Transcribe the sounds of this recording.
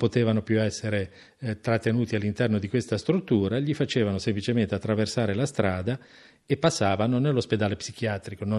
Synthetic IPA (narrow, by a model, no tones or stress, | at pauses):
pot̪eːvanopjuɛsːeɾe | t̪ɾat̪ːenuːt̪ialːint̪ɛrnod̪ikwest̪ast̪ɾut̪ːuːɾaʎifat͡ʃeːvanosemplit͡ʃement̪eat̪ːɾaversaːɾelast̪ɾaːd̪a | epːasːaːvanonelːosped̪aːlepsik̟jaːt̪ɾikono